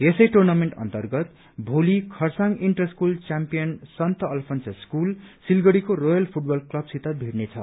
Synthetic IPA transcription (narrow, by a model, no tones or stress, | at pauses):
esʌjʈurnameɳʈʌ̰nt̪ʌrɡʌt̪ | bʱolikʰʌrsaŋiɳʈʌskult͡sampijʌnsʌnt̪ʌʌlpʰʌnseskulsilɡʌɽikorojʌlpʰuʈ̚bʌlklʌbsit̪abʱirnet͡sʰʌ̰